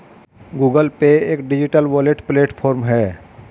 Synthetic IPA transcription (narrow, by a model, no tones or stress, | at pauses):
ɡuːɡəlpeeːkɖɪd͡ʒɪʈəlʋɔleʈpleːʈpʰɔːɾmɦɛː